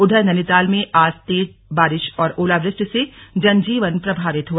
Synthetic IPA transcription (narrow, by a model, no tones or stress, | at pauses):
ʊɖ̪ʱəɾnɐnɪt̪aːlmẽʔaːst̪eːt̪̚baːɾɪʃɔːɾoːlaːbɾɪʃʈsed͡ʒɐnd͡ʒiːʋənpɾɐbʱaːʋɪt̪ɦua